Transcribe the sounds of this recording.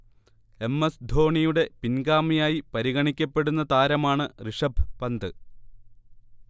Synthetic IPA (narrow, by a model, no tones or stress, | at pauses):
e̞mːesd̪ʱo̞ːɳijuɽe̞pinɡaːmijaːjipɐɾiɣɐɳikʲːɐpːe̞ɽunːɐt̪aːɾɐmaːɳɨriʂɐbʱpɐnd̪ɨ